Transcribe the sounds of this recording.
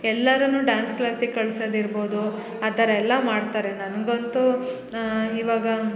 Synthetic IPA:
ɛlːɐɾɐnuːɖaːnsklaːsikɐɭsɐd̪iɾboːd̪u | ɐd̪ɐɾɛlːɐmaːɖt̪aːɾe̞nɐnɡont̪u | iʋaːɡɐ

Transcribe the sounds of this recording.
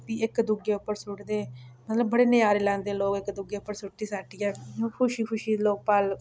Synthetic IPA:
piːɪkd̪ʊɡeːʊpːəɾsʊʈd̪eːmət̪ləbːəɽeːnɪjaːɾeːlɛ̃ːnd̪eːloːkɪkd̪ʊɡeːʊpːəɾsʊʈːiːsaːʈiːɛːkʰʊʃiːkʰʊʃiːloːk̚paːl

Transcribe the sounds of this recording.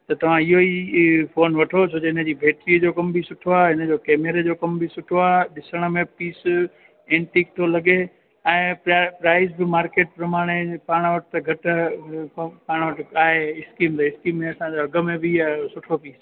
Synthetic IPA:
t̪ɐt̪ɐʋ̤ãɪɦoipʰoːnʋɐʈʰot͡ɕʰod͡ʑeɪnəd͡ʑiːbʱeːʈɾiːəd͡ʑokɐmbʱisʊʈʰoaːɦɦɪnə̆d͡ʑoːkɛːmeɾed͡ʑoːkɐmbʱisʊʈʰoaːɦɗɪsəɽ̃əmẽpiːs | ẽːɳʈik̚t̪ʰolɐɡe | ɛ̃ːpːpɾaːɪsbɪmaːɾkeːʈ̚pɾɐmaːɽ̃epaːɽ̃ʋɐʈt̪ɐɡʱɐʈ | paːɽ̃ʋəʈaːɦeɪskiːmt̪ɐɪskiːmːẽɐsãd͡ʑoɐɡə̆mẽbʱɪasʊʈʰopiːs

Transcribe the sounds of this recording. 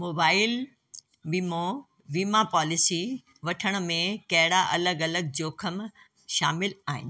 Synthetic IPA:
moːbaːɪl | ʋiːmo | ʋiːmapɔːlɪsi | ʋɐʈʰəɽ̃ʊ̆mẽkɐɦɽaʔɐləɡɐləɡ̚d͡ʑoːkʰəm | ʃaːmɪlaːɦɪ̰n

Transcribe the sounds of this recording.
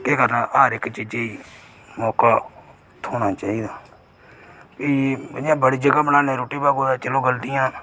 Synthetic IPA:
keːkəɾnaʔaːɾɪkt͡ʃiːd͡ʒeiː | mɔːkaː | t̪ʰoːɽaːt͡ʃaːiːd̪aː | piːãːbəɽiːd͡ʒəɡaːbəɽaːnẽːɾoːʈiːbaːɡoːd̪aːt͡ʃəlõːɡəlt̪ɪjãː

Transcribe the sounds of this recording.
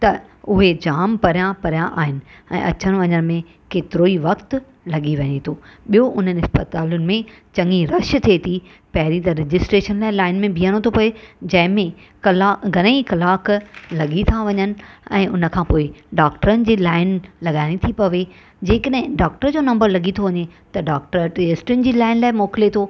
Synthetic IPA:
t̪ɐʊɦed͡ʑaːmpɐɾjãpɐɾjãʔa̰ːɦɪnɪ̆ɛ̰̃ːʔɐ̰t͡ɕəñʋɐɲəɽ̃mẽ | keːt̪ɪɾoːiʋɐkt̪ | lɐɠiʋɐɲet̪ʰoːɓijoʔʊn̤ənɪ̆ɦɪspət̪aːlʊnɪ̆mẽt͡ɕɐ̃ŋɡiɾɐʃt̪ʰiet̪ʰi | pɐɦɪɾit̪ɐɾɪd͡ʑɪsʈɾeːʃənlaːɪlaːɪnmẽbʱiːəɽ̃ot̪ʰopɐed͡ʑɐ̃ɦɪ̃mẽ | kɐlaɡʱɐnəikɐlaːklɐɠit̪ʰaʋɐɲənɪ̆ɛ̃ːʔʊnə̆kʰãːpoːɪɖaːk̚ʈəɾənɪ̆d͡ʑiːlaːɪnlɐɠaːɪɽ̃it̪ʰipɐʋe | d͡ʑeːkəɗ̃ɦɪ̃ɖaːk̚ʈəɾd͡ʑoːnɐ̃mbəɾlɐɠit̪ʰoʋɐɲet̪ɐɖaːk̚ʈəɾʈiesʈɪnɪ̆d͡ʑiːlaːɪnlaːɪmɔːkɪlet̪ʰoː

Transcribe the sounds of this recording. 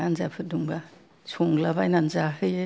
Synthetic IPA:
anzapʰɯduŋba | soŋlabajnanzaɦɯje

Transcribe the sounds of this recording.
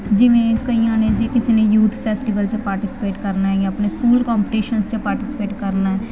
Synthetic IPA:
d͡ʒɪʋẽːkəiãːned͡ʒeːkɪsiːnejuːt̪ʰpʰɛːsʈiʋəlt͡ʃəpaːɾʈɪsɪ̥peːʈkəɾnaɦɛjãːəpneːskuːlkaːmpiʈiːʃənst͡ʃəpaːɾʈɪsɪ̥peːʈkəɾnaɦɛ

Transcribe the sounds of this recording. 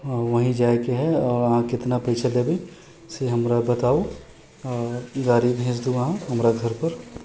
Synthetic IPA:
ʋəɦĩd͡ʒaːekeɦɛɔːɾəɦãkɪt̪napɐɪt͡ʃʰəlebʱi | seɦəmɾabət̪aːo | ɡaːɾibɦẽd͡ʒd̪uɐɦãɦɐmɾaɡʱəɾpəɾ

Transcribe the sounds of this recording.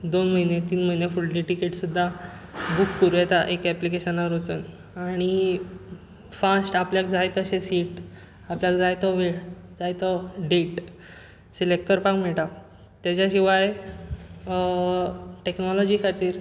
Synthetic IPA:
d̪onm̤əinet̪iːnməɦinjafulliʈikeʈsud̪ʱːabukːuɾujɛt̪aʔekɛplikeɕənaɾot͡sən | aɽ̃i | fasʈapljakd͡zajt̪əɕesiʈ | apljakd͡zajt̪ɔʋeɽd͡zajt̪ɔɖeʈ | selek̚kəɾpakm̤ɛɭʈa | t̪jat͡ɕaɕiʋaj | ʈeknɔlɔd͡ʑikʰat̪iːɾ

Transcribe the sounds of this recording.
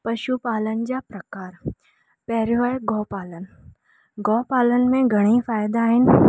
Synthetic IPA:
pɐʃupaːlənɪ̆d͡ʑaːpɾɐkaːɾ | pɛɦɾjʋaːɡɔːpaːlənɪ̆ | ɡɔːpaːlənɪ̆mẽɡʱɐɽ̃ifaːjd̪aːɦɪnɪ̆

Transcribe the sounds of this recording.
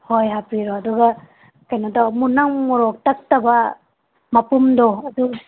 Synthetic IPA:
hojɦapiɾoɐduɡɐ | kajnodamunaŋmɔɾɔk̚tɐk̚tɐbɐ | mɐpumdɔɐdu

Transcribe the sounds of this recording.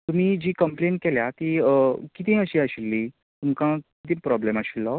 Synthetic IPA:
t̪um̤iːd͡ʑiːkəmpleɳʈ̚keljat̪ikit̪̬ĩəɕiːaɕilːi | t̪umkãkit̪iːpɾɔblemaɕilːɔ

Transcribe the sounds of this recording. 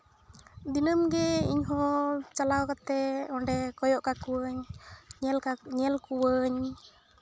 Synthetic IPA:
d̪inəmɡɛiɲɦɔ̃t͡ʃalawkat̪ɛɔɳɖɛkɔjɔʔkakuwəɲɛlɲɛlkuwəɲ

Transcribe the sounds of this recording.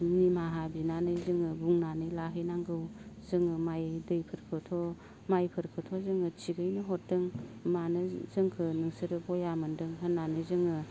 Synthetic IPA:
nimaɦabinanɯzɯŋɯbuŋnanɯjlaɦɯjnaŋɡɯwzɯŋɯmajdɯjpʰɯɾkʰɯtʰɔ | majpʰɯɾkʰɯtʰɔzɯŋɯt͡ʃiɡɯjnɯɦɔt̚dɯŋmanɯzɯŋkʰɯnɯŋsɯɾɯbɔjamɯndɯŋɦɯnːanɯzɯŋɯ

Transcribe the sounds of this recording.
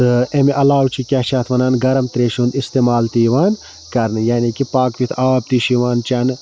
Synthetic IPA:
ɨemeʔɐlaːwt͡ʃʰikʲaːʃaːt̪ʰʋɐnaːnɡɐɾɐmt̪ɾeːʃũnd̪ist̪eːmaːlt̪iːʋaːn | kɐɾnɨjaːniːkipaːkʋit̪ʰaːb̚t̪iʃiʋaːnt͡ʃɐn

